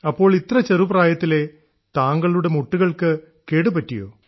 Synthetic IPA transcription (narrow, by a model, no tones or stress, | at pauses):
ɐpːo̞ːɭit̪rɐt͡ɕerupraːjɐt̪ːile | t̪aːŋɡɐɭɭuɽe̞muʈːuɣɐɭkɨ | keːɽupɐtːijo̞̰ː